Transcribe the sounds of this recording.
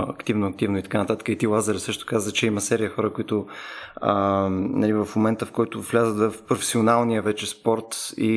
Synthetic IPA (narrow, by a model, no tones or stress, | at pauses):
ɐ̰kt̪ivnoɐk̚t̪ivnoit̪ɐkanɐt̪at̪ə̥kəit̪ilˠazɛɾɛsɤʃt̪ʊ̥kazət͡ʃɛiməsɛɾiəxɔɾəkoit̪o | ənɐ̰livəfmomɛnt̪əfkɔjt̪ʊvlʲazət̪vəfpɾofɛ̥sionalˠnijəvɛt͡ʃɛspɔɾt̪ḭ